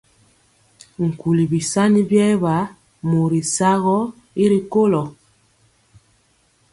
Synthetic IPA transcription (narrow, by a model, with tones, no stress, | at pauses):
ŋ̩˨ku˨li˨bi˨sa˦ni˦bjɛ˦βa˨˦ | mo˨ɾi˨sa˦ɣɔ˦ | i˦ɾi˨ko˦lɔ˨